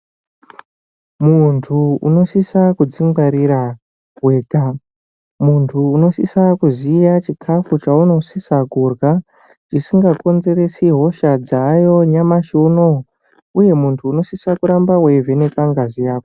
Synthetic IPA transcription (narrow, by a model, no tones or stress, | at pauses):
muntʰuṵno̞sisakud͡ziŋɡaɾiɾa | we̞ːka | muntʰuːno̞sisakuzijat͡ʃikʰafut͡ʃauno̞sisakurɡa | t͡ʃisiŋɡako̞nze̞ɾe̞siɦo̞ʃad͡zajo̞ɲamaʃuno | uje̞muntʰuːno̞sisakuɾambawe̞vʱe̞ne̞paŋɡazijaːko